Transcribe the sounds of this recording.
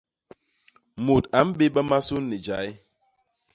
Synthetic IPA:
mo˨ta˨˦m̩˦ɓe˦ɓə˦ma˦su˦nːe˨d͡ʒa˨˦j

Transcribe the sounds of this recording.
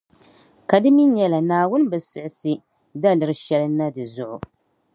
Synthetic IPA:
ka˨dɨ˦mi˦nɲɛ˦la˨naː˨wʊ˦n˦bɨ˨sɨ˨ʔɪ˦sɨ˦ | da˦lɨ˨ɾɨ˦ʃɛ˦lɨ˦nːa˦dɨ˨zʊ˦ʔʊ˨

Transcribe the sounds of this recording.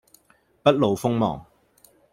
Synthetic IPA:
pɐ˥t̚lo˨wfʊ˥ŋmɔ̰ː˨˩ŋ

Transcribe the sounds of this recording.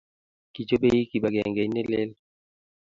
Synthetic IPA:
ki˨t͡ʃo˦be˨ji˦ki˨ba˨ɡɛ˨ŋɡe˨˦ne˦lɪ˦l

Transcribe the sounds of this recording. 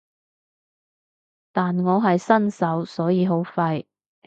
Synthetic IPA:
t̪aː˨nŋɔː˨˧ɦɐ˨jsɐ˥nsɐ˨˥wsɔː˨˥jiː˨˧ɦo˨˥wfɐ˧j

